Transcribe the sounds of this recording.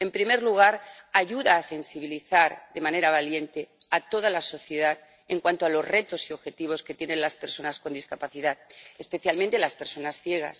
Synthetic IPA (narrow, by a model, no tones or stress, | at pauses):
e̞mpɾime̞ɾluɣ̞aɾaʝuðaːse̞nsiβ̞iliθaɾðe̞mãne̞ɾaβalje̞nt̪e̞at̪o̞ðalaso̞θje̞ð̞að | e̞ŋkwant̪oalo̞zre̞t̪o̞sio̞βxe̞t̪iβ̞o̞sket̪je̞nẽ̞nlaspe̞ɾso̞nasko̞nd̪iskapaθiðaðespe̞θjalmẽnt̪elaspe̞ɾso̞nasθjeɣ̞a̰s